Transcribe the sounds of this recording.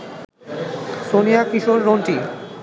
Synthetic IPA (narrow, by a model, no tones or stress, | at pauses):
sonijakiʃoɾːonʈi